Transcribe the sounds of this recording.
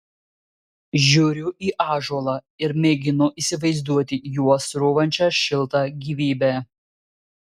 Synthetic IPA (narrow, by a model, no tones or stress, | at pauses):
ʒʲuːɾʲʊʔiːʔɑːʒuɔlˠɑː | ɪɾmʲeːɡʲɪnʊʔiːsʲɪʋɐɪzd̪uɔt̪ʲɪjuɔsɾʊʋɐnʲt͡ʃʲɛʃʲɪlˠt̪ɑɡʲiːʋʲiːbʲɛː